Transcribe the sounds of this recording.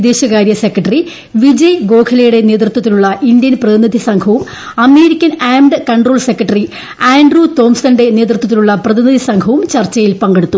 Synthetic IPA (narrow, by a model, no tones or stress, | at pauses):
d̪e̞ːɕɐkaːɾjɐse̞kːrɐʈːɐri | ʋid͡ʑɐjɡo̞ːkʰɐlɐjuɽe̞ne̞ːt̪rut̪ːwɐt̪ːiluɭːɐʔind̪jɐnprɐðinid̪ʱisɐŋkʰɐʋum | ɐme̞ːɾikʲːɐnaːmɖkɐɳɖroːlse̞kːɐʈːɐri | aːɳɖrut̪o̞ːmsɐnɖe̞ne̞ːt̪rut̪wɐt̪ːiluɭːɐprɐðinid̪ʱisɐŋɡʰʱɐʋumt͡ɕɐrt͡ɕːɐjilpɐŋɡeɽut̪ːu